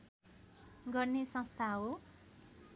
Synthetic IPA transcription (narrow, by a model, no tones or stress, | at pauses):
ɡʌrnesʌ̃st̪ʰaɦo